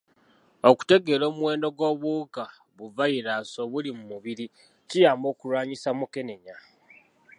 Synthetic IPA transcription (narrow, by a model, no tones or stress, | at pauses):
o̞ku̥te̞ɡe̞lo̞ːmwe̞ːndo̞ɡo̞βuka | βuvajiɾaso̞βulimumuβiɾi | cijaːmbo̞ːkuɾwaːɲisamuke̞ne̞ɲa